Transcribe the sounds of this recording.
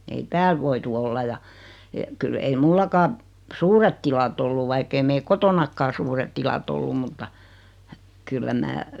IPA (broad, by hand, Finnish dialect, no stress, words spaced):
ei tæːl ʋoitu olːɑ jɑ e kyl ei mulːɑkɑː suːret tilɑt olːu ʋɑikː ei meil kotonɑkːɑː suːret tilɑt olːum mutːɑ kylːæ mæː